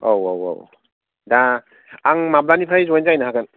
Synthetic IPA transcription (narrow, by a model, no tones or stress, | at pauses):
owowo̰w | da | aŋmablanipʰɾajzɔjnzajnaɦakɯn